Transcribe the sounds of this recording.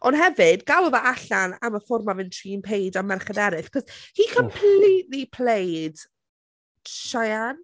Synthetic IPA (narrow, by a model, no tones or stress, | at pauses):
ɔnɦɛvɪdɡalˠɔvaʔaɬanaməfɔrmavɪntʰriːnpʰejdamɛrχədɛɾɨɬkʰɔz̥hiːkʰəmpʰlitlipʰlejd̥ | ʃajan